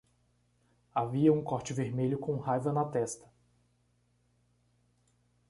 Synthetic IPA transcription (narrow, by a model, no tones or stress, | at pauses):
aviɐũkɔɾt͡ʃɪveɾmeʎʊkõhajvɐnɐt̪ɛst̪ɐ̥